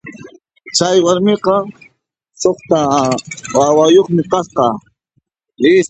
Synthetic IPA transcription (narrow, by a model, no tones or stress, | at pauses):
t͡ʃajwaɾmeqɑ | soχt̪a | wawajoχmɪqɑsqɑ | ɪ